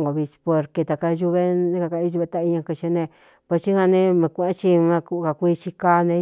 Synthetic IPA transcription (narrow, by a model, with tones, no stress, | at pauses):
ŋɡo˨βi̥˧po˧ɾke˧t̪a˨ka˧ʒu˦βe˦nẽ˦ka˧ka˧i˧ʒu˧βe˧t̪a˦˧i˧ɲã˧ka˧t͡ʃe˧nẽ˧ | po˧t͡ʃi˦hã˧nẽ˦mã˧kʷẽ˧ʔẽ˦t͡ʃi˧mã˧ku˧ka˧kʷi˦˧˦t͡ʃi˧ka˦nẽ˧˦